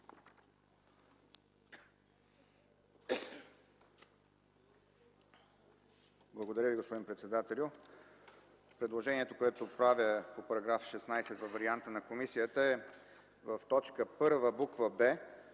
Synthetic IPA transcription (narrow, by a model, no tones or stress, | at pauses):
blˠəɡod̪ɐɾʲəviɡospod̪impɾɛt̪sɛd̪at̪ɛlʲʊ | pɾɛd̪lˠoʒɛniɛt̪okoɛt̪opɾavʲəpopɐɾɐɡɾafʃɛsnajsɛt̪vəvːɐɾiant̪ənɐkomisijət̪əɛ | vəft̪ɔt͡ʃkəpɤɾvəbukvəbɛ